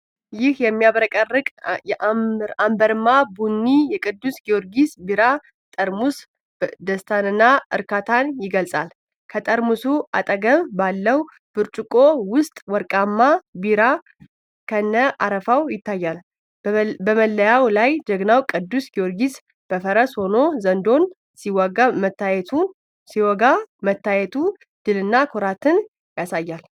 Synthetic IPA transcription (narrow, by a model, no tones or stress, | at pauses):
jɪhjɛmːijaβɾəkʼərːɨkʼjɛʔambəɾmːabunːijɛkʼɨd̪ːusɡioɾɡisbiɾa | t̪ʼəɾmus | d̪əst̪ʰanɨnːaʔɨ̰ɾkʰat̪ʰanjɪɡəlsʼa̰l | kʰət̪ʼəɾmusua̰t̪ʼəɡəmbalːəw | b̥ɨɾt͡ʃʼukʼowʊst̪ʼwɔɾkʼamːabiɾa | kʰənːəʔa̰ɾəfawjɪt̪ʰːajːal | bəməlːəjawlajd͡ʒəɡnawkʼɨd̪ːusɡioɾɡis | b̥əfəɾəsho̞no̞zənd̪o̞n | siwaɡamət̪ːajɛt̪ʰun | siwɔɡamət̪ːajɛt̪ʰu | d̪̥ɨlɨnːakʰoɾat̪ʰɨn | jasajːal